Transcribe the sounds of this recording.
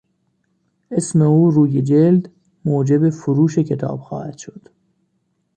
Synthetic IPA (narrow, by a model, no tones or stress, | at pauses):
ʔesme̞uːɾuːjed͡ʒeld̪ | moːd͡ʒe̞be̞foɾuːʃecʰe̞t̪ʰɒ̰ːb̥xɒ̰ːhæd̪̥ʃo̞d̪̥